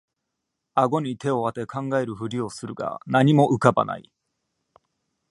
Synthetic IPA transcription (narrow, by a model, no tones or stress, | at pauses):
aɡo̞ɲ̟it̪e̞o̞βat̪e̞kʰãŋɡae̞ɾɯ̟ɸɯ̟ɾʲio̞sɨɾɯ̟ɡa̰naɲ̟imo̞ʔɯ̟kaba̰na̰ḭ